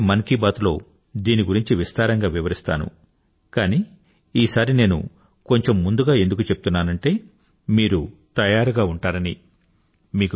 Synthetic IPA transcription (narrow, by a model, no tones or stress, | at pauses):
mɐnkibaːt̪lo̞̰ː | d̪iːniɡuɾiɲt͡ʃiʋist̪aːɾɐŋɡaːʋiʋɐɾist̪a̰ːnṵ | kaːniː | iːsaːɾine̞ːnṵ | ko̞ɲt͡ʃe̞mːund̪uɡaːe̞nd̪uk̬ut͡ʃepu̥t̪unːaːnɐɳʈe̞ː | miːɾut̪ɐjaːɾuɡaːuɳʈaːɾɐni | miːku